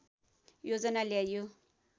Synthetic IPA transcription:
jod͡zʌnaljajo

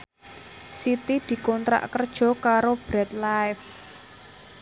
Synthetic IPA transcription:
sit̪id̪̥i̤kɔnt̪ɾa̰ʔkərd̥ʒ̥ɔ̤kaɾob̥ɾɛt̪̚laɪf

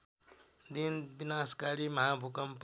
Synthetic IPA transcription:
d̪inbinaskaɾimɐɦabʱukəmp

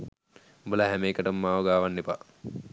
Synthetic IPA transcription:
bəlaɦæmeːkəʈəmːaːʋoɡaːʋanːepa

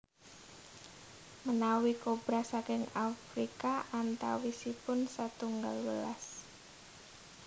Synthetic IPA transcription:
mənawikob̥ɾasakɪŋafɾikaʔant̪a̰wisipʊnsat̪uŋɡalwəla̰s

